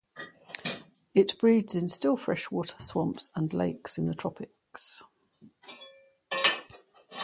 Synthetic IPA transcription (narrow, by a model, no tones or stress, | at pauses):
ɪʔb̥ɹiːdz̥ɪ̃nstɪlˠfɹɛʃwɔˑtʰə̥swɒ̃mpsə̃nlḛɪksɪ̃nðətʰɹ̥ɒpʰɪks